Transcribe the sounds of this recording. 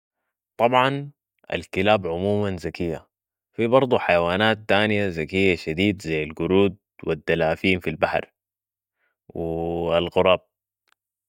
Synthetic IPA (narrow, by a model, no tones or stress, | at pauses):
t̪ˤɑbʕɑn | ʔa̰lkɪlaːbʕʊmuːmanzakijːa | fibɑɾˤd̪ˤuħajawaːnaːt̪ːaːnijazakijːaʃad̪iːd̪zajːalɡʊɾuːd̪̚wid̪ːalaːfiːmfilbaħɾ | wialɣʊɾˤɑːb̚